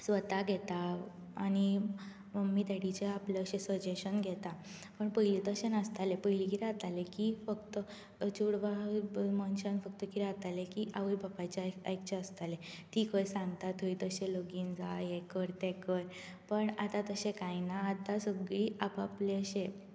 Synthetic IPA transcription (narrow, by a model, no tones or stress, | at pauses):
sʋət̪aɡʱet̪aː | ni | məmit̪eɽit͡ɕeapleəɕesʋəd͡ʑeɕənɡʱet̪a | pəɳpəjlit̪əɕenəst̪alepəjlikiɾat̪alekifəkt̪ə | t͡ɕuɽʋamɔnɕənfək̚t̪əkiɾat̪alekiʔaʋəjbʱəpajt͡ɕaa̰jkt͡ɕeəst̪alet̪ikəjsãŋɡt̪at̪ʰuit̪əɕeloɡind͡zajekəɾt̪ekəj | pəɳat̪at̪əɕẽkãjnaːd̪asəɡɭiːʔapapleəɕe